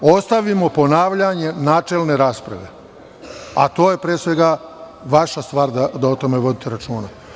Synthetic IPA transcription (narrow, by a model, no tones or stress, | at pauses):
o̞st̪aʋimo̞po̞naːʋʎaɲe̞naːt͡ʃelˠne̞ɾaːspɾa̰ʋe̞̰ | a̰t̪o̞ːjepɾeːsʋe̞ɡa | ʋaʃast̪ʋaːɾd̪ad̪aot̪o̞me̞ʋo̞d̪it̪eɾat͡ʃuːna